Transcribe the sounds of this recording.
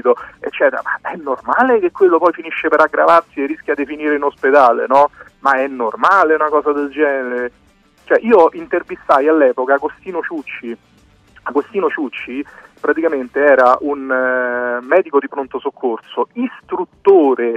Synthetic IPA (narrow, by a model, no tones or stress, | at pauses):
t̪oḛt͡ʃːɛːt̪eɾa̰ma̰ɛnːormaːlek̟ekːwelːopɔjfiniʃːepeɾaɡɾavarsierːisk̟ʲjad̪ːefiniːɾeunosped̪aːlḛnɔmaɛnːormaːleunakɔːsad̪eld͡ʒɛːnneɾe | t͡ʃoɛʔiːoʔint̪ervist̪ajalːɛːpokaːɡost̪iːnot͡ʃut͡ʃːi | aɡost̪iːnot͡ʃut͡ʃːipɾat̪ikament̪eɛːɾaʔun | mɛːd̪ikod̪ipɾont̪osokʰːorsoist̪ɾut̪ːoːɾe